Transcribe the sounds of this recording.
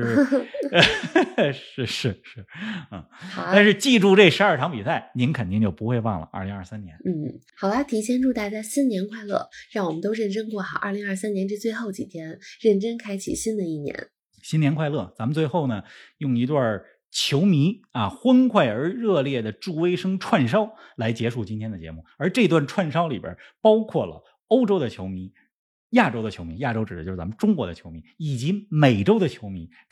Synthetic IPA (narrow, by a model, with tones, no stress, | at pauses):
ʂɻ̩˥˧ʂɻ̩˥˧ʂɻ̩˥˩˥ | a˥˧nʂɻ̩˥˧t͡ɕi˥˧ʈ͡ʂu˥˧ʈ͡ʂe˥˩ʂɻ̩˧˥ə˞˥˩ʈ͡ʂʰɑ˧˥ŋpi˨˩sa˥˩ɪni˧˥nkʰə˨˩nt̪i˥˧ŋt͡ɕjo˥˩pu˧˥xwe˧ɪpɑ̰˥˩ŋlə̰˩ʔə̰˞˥˩li˧˥ŋɐ̰˞˥˧˩sa˥njɛ˧˥˦nn̩˥˩xɑ˨˩ʊbt̪ʰi˧˥t͡ɕʰjɛ˥nʈ͡ʂu˥˧t̪a˥˧ɪt͡ɕa˥˩ɪɕi˥nnjɛ˧˥nkʰwa˥˧ɪlɤ̰˥˩ɻɑ˥˩ŋwɔ˨˩mə˦t̪o˥ʊɻə˥˩nʈ͡ʂɤ˥ŋkwɔ˥˩xa˨˧˩ʔə̰˞˥˩li˧˥ŋɐ˞˥˧sa˥njɛ˧˥nʈ͡ʂə˥˧t͡swe˥˧ɪxo˥˩ʊt͡ɕi˨˩t̪ʰjɛ˥nɻə˥˩nʈ͡ʂə˥ŋkʰa˥ɪt͡ɕʰḭ˨˩ɕi˥nd̪ə˨i˥˩njɛ̰˧˥n | ɕi˥nljɛ˧˥kʰwa˥˧ɪlɤ˥˩t͡sa˧˥mə˧nt͡swe˥˧ɪxo˥˩ʊnə˩jʊ˥˩ŋi˧˥t̪wɐ˥˩ | t͡ɕʰjo˧˥ʊmi˧˥a˧xwə˥nkʰwa˥˩ɪə˞˧˥ɻɤ˥˧ljɛ˥˩d̪ə˩ʈ͡ʂu˥˩we˥ɪʂɤ˥ŋʈ͡ʂʰwa˥˩nʂɑ˥ʊla˧˥ɪt͡ɕjɛ˧˥ʂu˥˩t͡ɕi˥nt̪ʰjɛ˥nd̪ə˩t͡ɕjɛ̰˧˥mu˥˩ə˞˧˥ʈ͡ʂɤ˥˩˧i˧t̪wa˥˧nʈ͡ʂʰwa˥˩nʂɑ˥ʊli˨˩bə̰˧˩˦pɑ˥ʊkʰwɔ˥˩lə̰˩ | o˥ʊʈ͡ʂo˥ʊd̪ə˨t͡ɕʰjo˧˥ʊmi˧˥ | ja˥˩ʈ͡ʂo˥ʊd̪ə˨t͡ɕʰjo˧˥ʊmi˧˥ja˥˩ʈ͡ʂo˥ʊʈ͡ʂɻ̩˨˩ə˦jʂ̩˥˩t͡sa˧˥mə˧ʈ͡ʂʊ˥ŋkwɔ̰˧˥d̪ə˧t͡ɕʰjo˧˥ʊmi˧˥i˨˩t͡ɕi˧˥me˨˩ɪʈ͡ʂo˥ʊd̪ə˨t͡ɕʰjo˧˥ʊmi˧˥